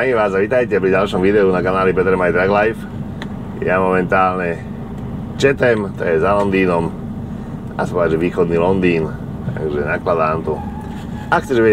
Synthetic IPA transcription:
aiʋaːzaʋit̪ajcɛpɾiɟalʃɔmʋid̪ɛunakanaːlip̬ɛt̪ɛɾmajd̪ɾaɡlajf | jamɔmɛnt̪aːlɲɛ | t͡ʃɛt̪ɛmt̪ɔjɛzalɔnd̪iːnɔm | a̰sapɔad͡ʒɛʋiːxɔd̪niːlɔnd̪iːn | t̪a̰ɡʒɛnaklad̪aːmt̪u | akxt͡sɛʒɛʋɪɛ

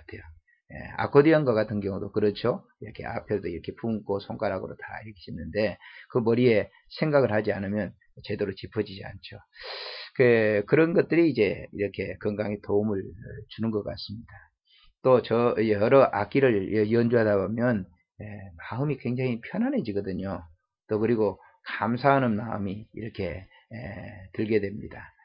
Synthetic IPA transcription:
atʰejo | jḛa̰kʰodiʌnɡak͈atʰɯnɡjʌŋudokɯɾʌt͡ɕʰjo | iɾʌkʰe̞̰a̰pʰedoiɾʌkʰe̞pʰuŋkʰosʰoŋk͈aɾɦaɡoɾota̰iɭkʰi̥ɕʰinːɯnde̞kɯmʌɾie̞ | sʰe̞ŋɡaɡɯɭhad͡ʑianɯmjʌn | t͡ɕe̞doɾot͡ɕipʰʌd͡ʑid͡ʑia̰nt͡ɕʰo | kekɯɾʌnɡʌt̚t͈ɯɾiːd͡ʑe̞iɾʌkʰe̞kɯŋɡaŋetoumɯɭt͡ɕunɯnɡʌk͈a̰s͈ɯmɲid̥a | t͈ot͡ɕʌjʌɾʌʔak͈iɾɯɭjʌnd͡ʑuɦadabomjʌn | emaɯmikwe̞ŋd͡ʑaŋipʰjʌnɦanɦe̞d͡ʑiɡʌdɯɲo | t͈okɯɾiɡo | kamsʰaɦanɯnmaɯmiḭɾʌkʰe̞ | etɯɭɡe̞dwe̞mɲida

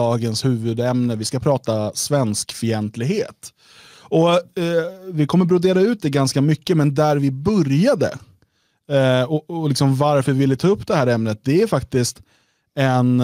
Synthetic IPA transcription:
ɑːɡənshʉ̟ːvɵd̪ɛmnəvɪskapʰɾɑːt̪asvɛnskfœɾɛnt̪lɪɡheːt̪ | ɔ | vɪkʰɔmːəɾbɾʊd̪eːɾaʉ̟ːt̪̚d̪ɛɡanskamʏkːəmɛnd̪æɾvɪbœɾjad̪ə̰ | ɔlɪksɔmvaɾfœɾvvɪlːət̪ʰɑːɵpːd̪ɛhæːɾɛmnət̪̚d̪ɛæɾfak̚t̪ɪst̪ | ɛn

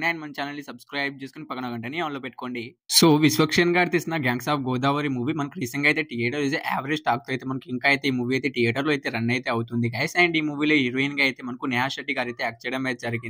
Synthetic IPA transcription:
naːjnmɐnt͡ʃaːnɐlːisɐbskɾaːjb̚t͡ʃeːskunipɐɡɐɳɐɡɐɳʈɐnieːmɐloːpeʈːu̥koːɳɖi | soːʋisʋɐkʂɐnɡaːɾt̪isinɐɡaːŋɡsaːp̚ɡɔːd̪aːʋɐɾimuːʋimɐnɐkuɾiːsɐŋɡɐjt̪e̞ːʈijɛːʈɐɾet̪eʔaːʋɐɾed͡ʒʈaːk̚t̪oɐjt̪eːmɐnɐkuiŋkaːijt̪eimuːʋiɐjt̪e̞ːʈijɛːʈɐɾluɐjt̪e̞ːɾɐnːɐjt̪e̞ːɐwut̪und̪iɡaːsɛːɳɖiːmuːʋiːleːiɾʋiːnɡaɐjt̪eːmɐnɐkunɛaːʃɐʈːiɡaːɾɐjt̪ek̚t͡ʃejɽɐmeːt̪̚d͡ʒɐɾiɡin

